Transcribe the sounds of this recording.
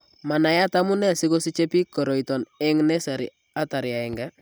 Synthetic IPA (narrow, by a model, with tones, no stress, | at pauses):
ma˨na˨ja˦ta˦mu˦nɛ˦˨si˦ko˦si˦t͡ʃe˦pi˦kːɔ˨ɾɔ˨itɔ˨nɛ˦ŋnɛ˦sa˨ɾḭ˨ | a˦ta˨ɾja˨ɛ˨ŋɡa˦